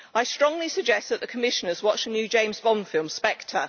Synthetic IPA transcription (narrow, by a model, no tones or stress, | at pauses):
aɪstɹ̥ɒ̃ŋlisəɡ̚d͡ʒɛst̚ðəʔðəkʰəmɪʃə̃nəzwɒt͡ʃənjʉːd͡ʒẽɪ̃mzbɒ̃nfɪlˠmspɛk̚tʰə